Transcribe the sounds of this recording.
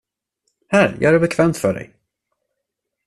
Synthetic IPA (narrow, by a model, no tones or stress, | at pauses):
hæɾjʔɑ̰ːɡæɾbɛkʰvɛːmt̪fœɖɛ̰j